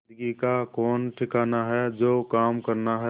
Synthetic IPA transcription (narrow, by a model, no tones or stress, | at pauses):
d̪ɡikakɔːnʈʰɪkaːnaɦɛd͡ʒoːkaːmkəɾnaɦɛ